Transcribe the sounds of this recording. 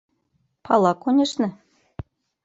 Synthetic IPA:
pʰɑlˠɑkonʲĕʃnɤ̆

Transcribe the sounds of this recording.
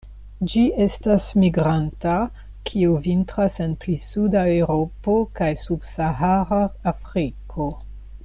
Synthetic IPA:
d͡ʒiʔe̞stasmiɡɾanta | kʰiuvintɾase̞nplisudaewɾo̞pokajsub̥saɦaɾaːfɾikʰo̞

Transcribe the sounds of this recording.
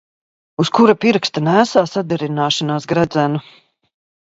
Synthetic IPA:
uskuɾapiɾkst̪anæːsaːsad̪ɛɾinaːʃanaːsɡɾæd̪zænu

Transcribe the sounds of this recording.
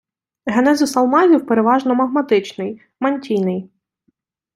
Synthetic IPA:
ɦenɛzʊsɐlˠmɑzʲiwpeɾeʋɑʒnɔmɐɦmɐt̪ɪt͡ʃnɪj | mɐnʲtʲijnɪj

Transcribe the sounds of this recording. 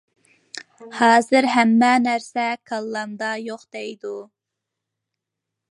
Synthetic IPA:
hɑːzɨɾɦæmːɛnæɾsɛkʰɑlˠːɑmd̪ɑjoχd̪̥ɛjd̪u

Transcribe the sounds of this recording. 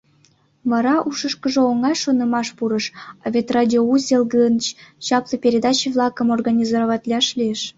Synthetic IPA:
vɑɾɑʔuʃəʃkə̆ʒɤ̆oŋɑjʃonɤ̆mɑʃpuɾɤ̆ʃɑ̰vʲet̪rɑdʲiouzʲelˠɡɯnt͡ɕt͡ɕɑplˠɤpʲeɾʲed̪ɑt͡ɕiβlˠɑkə̆morɡɑnʲizoɾoβɑt̪ʲlʲɑʃlʲieʃ

